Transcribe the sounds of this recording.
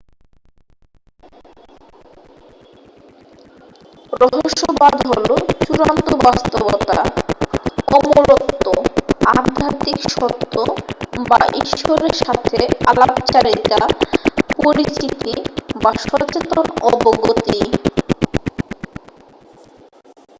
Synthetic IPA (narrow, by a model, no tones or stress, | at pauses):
ɾɔɦoʃːobad̪ʱɦolot͡ɕuɾant̪obast̪obot̪a̰ | ɔboɾot̪ːoaɾd̪ʱat̪ikʃɔt̪ːoba̰ʔiʃoɾeɾʃat̪ʰealapt͡ɕaɾita | pɔɾist͡ɕit̪ibaʃɔt͡ɕet̪onɔ̰boɡot̪i